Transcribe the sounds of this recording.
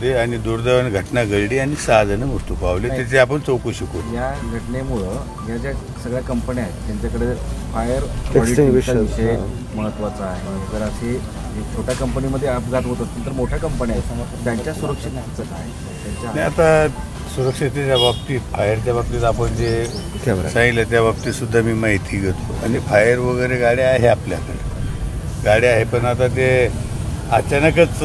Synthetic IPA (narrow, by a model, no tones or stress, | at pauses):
t̪eanid̪uɾd̪aʋənɡʱəʈnaɡəɭɽianisad̪ʱnəmuɾt̪upaʋlenat̪et͡seapəɳt͡sowkuɕəkujaɡʱəʈnemuɭəː | d͡ʑjat͡ɕa | səɡɭjakəmpəniaɦet̪ːjaɲt͡ɕakəɽefajəɾʋɔɽiit͡ɕʋiɕe | məɦət̪ːʋat͡saaɦeɦed͡zəɾəɕe | ekt̪ʰoʈjakəmpəniməd̪ʱːjeəpd͡zat̪ɦot̪əst̪ənt̪əɾmoʈʰjakəmpənjat̪jaɲt͡ɕjasuɾəkʂit̪at͡səkaɦe | at͡ɕanajat̪a | suɾəkʂit̪at͡ɕjabap̚t̪iːt̪fajəɾt̪jaʋap̚t̪iːt̪apəɳd͡ʑeksãŋɡiljat̪jaʋap̚t̪iːsud̪ʱːamiːmaɦit̪ʰiːɡʱət̪oa̰nifajəɾʋəɡəjɾeɡaɽiaɦeaplja̰kəɽ | ɡaɽiaɦepəɳat̪at̪̬e | ət͡ɕanəkət͡s